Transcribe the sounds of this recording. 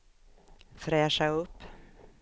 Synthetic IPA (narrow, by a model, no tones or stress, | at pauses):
fɾɛːʂaɵpː